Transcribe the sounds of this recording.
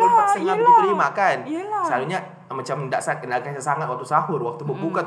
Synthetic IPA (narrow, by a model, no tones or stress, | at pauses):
səŋat̪̚ət̪əɾimakansaɾuɲa | mat͡ʃamndaʔsakənalkasasaŋat̪wak̚t̪usaɦʊrwak̚t̪ubəbuka